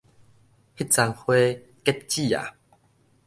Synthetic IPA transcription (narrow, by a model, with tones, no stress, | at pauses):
hi˦˥t̚t͡sa˧ŋhwe˦ | ke˦˥t̪̚t͡ɕi˥˨a̰˨˩